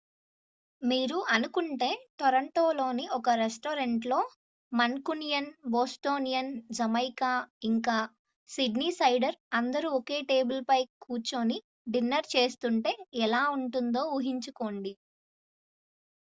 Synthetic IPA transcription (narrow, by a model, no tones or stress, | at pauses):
miːɾuʔɐnukuɳʈe̞ːt̪ɔɾɐɳʈoːlo̞ːniɔkɐɾesʈoːɾeɳʈlo̞ː | mɐnkunijɐnboːsʈo̞ːnijɐnd͡ʒɐmɐjkaːiŋkaː | siɖniːsɐjɖɐɾɐnd̪ɐɾuɔke̞ːʈe̞ːbulpɐjkuːt͡ʃoːni | ɖinːɐɾt͡ʃe̞ːst̪uɳʈe̞ːɛlaːuɳʈund̪o̞ːuɦiɲt͡ʃuko̞ːɳɖi